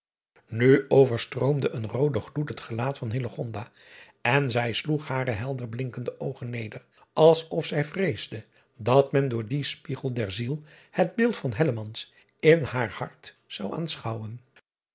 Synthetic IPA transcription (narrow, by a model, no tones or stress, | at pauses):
nyowvəɹstrowmdəʔənrowdəχlutɦətχəlaːtfɑnɦɪləχɔndaː | ɛnzɛjsluχhaːɾəɦɛlˠdərblɪŋkəndəʔowχənːejdər | ɑlˠsɔfsɛjvrejzdə | dɑtmɛndʊːɹdispiχəlˠdɛɹzilˠ | həd̚bɪːlˠtfɑnɦɛləmɑns | ɪnhaːɹhɑɹt | sɑwa̰ːnsχɑwən